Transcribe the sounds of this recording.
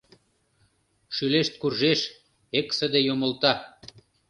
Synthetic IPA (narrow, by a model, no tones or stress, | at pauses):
ʃyleʃt̪̚kurʒeʃ | eksəd̪ejomə̆lt̪ɑ